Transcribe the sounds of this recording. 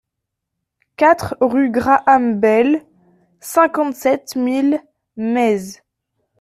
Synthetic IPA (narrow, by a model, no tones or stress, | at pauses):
kat̪χʁyɡʁaʔambɛl | sɛ̃kɑ̃t̪sɛt̪mil | mɛz